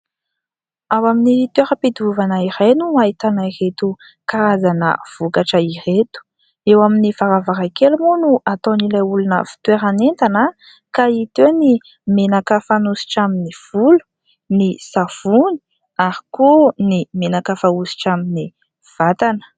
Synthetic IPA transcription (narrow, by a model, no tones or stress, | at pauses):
awaminit̪weɾəped̪uvanəiɾajnumait̪anairet̪u | kaɾazanə̰v̥ukaʈ͡ʂəiret̪u̥ | ewaminifaɾavaɾakelmonuʔat̪onilajulunə̰fi̥t̪weɾanent̪anə | kait̪eni | menakəfanusi̥ʈ͡ʂaminiv̥ulu̥ | nisafuni̥ | aɾi̥konimenakafausi̥ʈ͡ʂamini | v̥at̪anə̥